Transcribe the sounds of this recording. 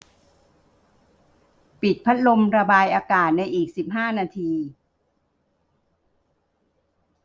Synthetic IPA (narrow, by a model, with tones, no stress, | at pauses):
pi˨˩t̪̚pʰa˦˥t̪̚lo˧mɾa˧baː˧jʔaː˧kaː˨˩t̪̚na˧jʔiː˨˩k̚si˨˩p̚ɦaː˥˩naː˧t̪ʰiː˧